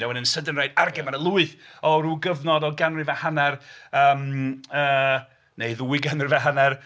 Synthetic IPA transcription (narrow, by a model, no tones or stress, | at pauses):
nɛwənənsədənrajdarɡɛmanəlˠuɨθɔɾuːɡəvnɔdɔɡanrɪvahanɛrəːməː | neɨðuɪɡanrɪvaɦanɛr